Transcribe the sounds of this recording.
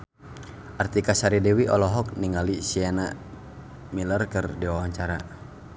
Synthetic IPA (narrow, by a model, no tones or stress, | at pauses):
ʔart̪ikasaɾidɛwiʔɔlɔɦɔk̚niŋalisiɛna | milərkərdiwawaɲt͡ʃaɾa